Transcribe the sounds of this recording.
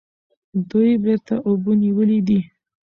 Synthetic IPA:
d̪ujbeɾt̪aʔobəniwəlid̪i

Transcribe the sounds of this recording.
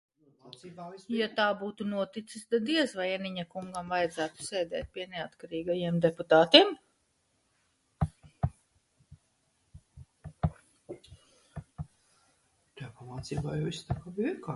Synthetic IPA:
ibajat̪aːbuːt̪unuɔt̪it̪sist̪ad̪iɛsvajɛniɲakuŋɡamvajd̪zæːt̪u̥seːd̪ɛ̰ːt̪̚piɛneat̪kaɾiːɡajiɛmd̪eput̪aːt̪iɛm | t̪ajapamaːt̪siːbaːjaist̪akabiika

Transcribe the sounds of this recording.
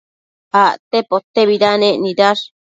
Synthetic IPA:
aʔt̪epot̪ːeβiɾanẽʔnidaɾ

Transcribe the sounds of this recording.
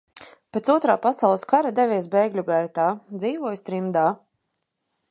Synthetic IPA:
pʲet̪suɔt̪ɾaːpasawlˠəskaɾad̪ɛvʲɛːsbɛjɡlʲuɡajt̪aːd̪ziːvuɔjst̪ɾimd̪aː

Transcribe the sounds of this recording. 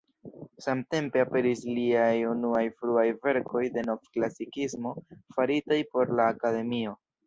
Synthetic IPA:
samte̞mpe̞ape̞ɾisliajunuajfɾuajve̞ɾko̞jde̞no̞vklasikismo̞faɾitajpo̞ɾlaːkade̞mio̞

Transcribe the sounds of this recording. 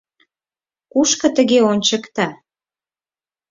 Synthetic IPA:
kuʃkɤ̆t̪ə̆ɣeonʲt͡ɕə̆kt̪ɑ

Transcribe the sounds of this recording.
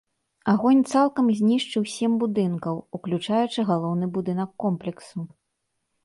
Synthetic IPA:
aɣɔnʲt̪salˠkɐmzʲnʲiʂt͡ʂɨwsʲɛmbud̪ɨnkɐwuklʲut͡ʂajut͡ʂɨɣalˠɔwnɨbud̪ɨnɐkːɔmplʲɛksu

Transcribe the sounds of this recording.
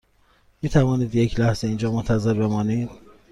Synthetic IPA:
miːt̪ʰævɒːniːd̪je̞cʰlæhz̥e̞ind͡ʒɒːmont̪ʰæzeɾbe̞mɒːnid̪̥

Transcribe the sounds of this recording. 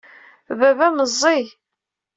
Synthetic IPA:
vævæməzˤːi

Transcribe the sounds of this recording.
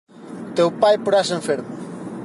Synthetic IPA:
t̪ewpajpoɾasẽɱfeɾmʊ

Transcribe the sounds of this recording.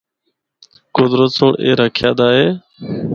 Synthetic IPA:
kʊd̪ɾət̪soːɳʔḛːɾəkʰɪjaːd̪aːɦeː

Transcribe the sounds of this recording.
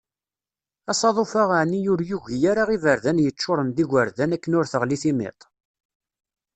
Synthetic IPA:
ɑsˤɑðˤofaʁaʕnijʊɾjuʝjaɾaʁivəɾðænjət͡ʃːʊɾˤənd̪iʝəɾðænækːənʊɾθəʁliθimɪ̰t̪ˤ

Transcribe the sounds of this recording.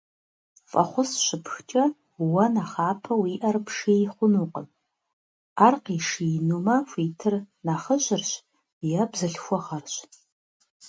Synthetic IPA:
fʼɐ̰χʷʊsʃɨpʰxt͡ʃʼɐ | wɐnaχaːpʰɐwiʔɐrpʰʂejχʷʊnuqʼə̰n | arqiʂijnumafʷiːtʰɨrnaχəʒʷɪrʃ | jabzɨɬxʷɔʁarʃʷ

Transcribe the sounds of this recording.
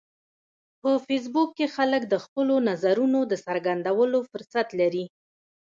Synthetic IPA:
pəfes̬bukːexaləkd̪əxpəlonazaɾunod̪əsaɾɡand̪awəlofʊɾsat̪laɾi

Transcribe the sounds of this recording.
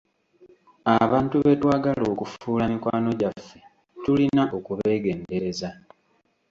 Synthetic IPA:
aβaːntuβetwaːɡalo̞ːkufuːlamikwaːno̞ɟafːe̞ | tulinaʔo̞kuβe̞ːɡe̞ːnde̞ɾe̞za

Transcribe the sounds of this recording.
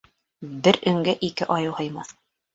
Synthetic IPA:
bɘɾɵ̆ŋɡɘʔikɘʔɑjɤwhɤ̆jmɑθ

